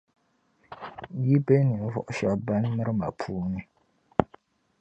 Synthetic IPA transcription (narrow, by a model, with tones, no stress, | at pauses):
ji˦bɛ˦nɨ˨n˨vɔ̰˦˨ʔʊ˦ʃa˨ba˦n˦mɨ˦ɾɨ˦ma̰˨pʰuː˦nɨ˦